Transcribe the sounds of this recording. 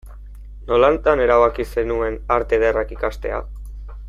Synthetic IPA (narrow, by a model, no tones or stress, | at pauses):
no̞lant̪ane̞ɾaβakise̞nue̞naɾt̪e̞ðerakikast̪e̞̰a̰